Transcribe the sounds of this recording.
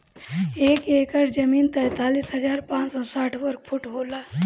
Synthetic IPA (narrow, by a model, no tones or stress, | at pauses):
eːkeːkəɾd͡ʒɐmiːnt̪ɛjt̪aːliːsɦɐd͡ʒaːɾpãːt͡ʃsɔːsaːʈʰʋɐɾk̚pʰʊʈɦoːlaː